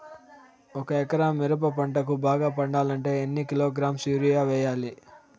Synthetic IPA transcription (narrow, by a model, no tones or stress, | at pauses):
ɔkɐɛkɐɾaːmːiɾɐp̬ɐpɐɳʈɐk̬ubaːɡaːpɐɳɖaːlɐɳʈe̞ːenːikiloːɡɾaːmsuːɾijaːʋɛːjaːli